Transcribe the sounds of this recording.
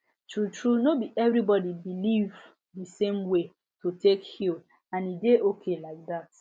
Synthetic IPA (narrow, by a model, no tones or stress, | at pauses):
tɹutɹunobiʔɛvɾibɔdibiliv | dəsẽmwe | tʰotekhil | ãnideʔokʰelaɪk̚dat